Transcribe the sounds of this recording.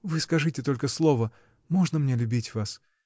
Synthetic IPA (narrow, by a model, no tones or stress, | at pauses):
vɨskɐʐɨtʲɪt̪o̞lʲkəslˠo̞və | mo̞ʐnəmnʲelʲʊbʲitʲvas